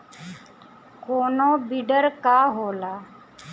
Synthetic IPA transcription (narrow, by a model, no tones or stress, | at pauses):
koːnoːbiɖəɾkaːɦoːlaː